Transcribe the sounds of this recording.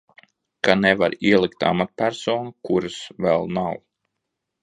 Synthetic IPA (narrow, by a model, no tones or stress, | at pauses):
kanɛvaɾiɛlˠikt̪a̰mat̪̚pʲæɾsɔːnukuɾɨsvɛlˠnaw